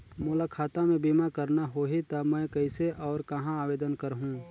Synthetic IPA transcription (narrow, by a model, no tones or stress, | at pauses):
mʊlakʰaːt̪ãmẽbiːmakɐɾnaɦoːɦit̪ɐmɛ̃ːkɐɪseʔɔːɾkɐɦãaːʋeːd̪ənkɐɾɦũ